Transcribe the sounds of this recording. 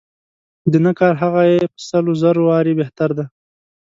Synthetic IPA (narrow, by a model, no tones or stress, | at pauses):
d̪ənakɑɾɦaɣajepə̥salozaɾowɑɾebeht̪aɾd̪a